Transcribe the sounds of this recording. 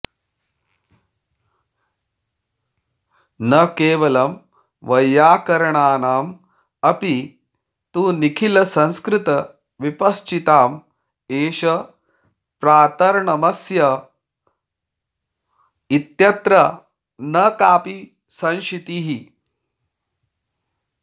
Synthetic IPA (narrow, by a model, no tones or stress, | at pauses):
nɐkeːʋɐlɐm | ʋɐjːaːkɐɾɐɳaːnaːm | ɐpi | t̪uːnikʰilɐsɐ̃nskɾɪt̪ɐ | ʋipɐst͡ʃit̪aːm | eːʃɐ | pɾaːt̪ɐɾɳɐmɐsjɐ | it̪jɐt̪ɾɐ | nɐkaːpi | sɐ̃nʃit̪iɦi